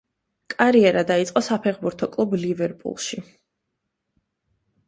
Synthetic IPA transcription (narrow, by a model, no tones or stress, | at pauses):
kʼaɾiɛɾad̪ait̪sʼqʼɔsapʰɛχbuɾt̪ʰɔkʼlˠublivɛɾpʼṵlˠʃi